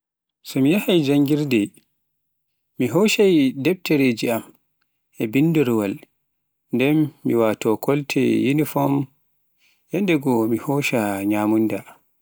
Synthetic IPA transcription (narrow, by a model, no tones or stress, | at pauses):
sɔmijahajd͡ʒaŋɡiɾdɛ | miɦɔʃajdɛb̚tɛɾed͡ʒiam | ʔɛbinduɾwal | ndɛmːiwatɔkɔltʰɛ̰jinifɔm | jɛndɛɡɔmihɔːʃaɲaːmunda